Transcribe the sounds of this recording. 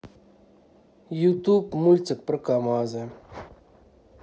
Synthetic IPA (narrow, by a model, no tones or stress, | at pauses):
jut̪upmulʲt̪t͡s̪ɨk̚pɾɨkamazɨ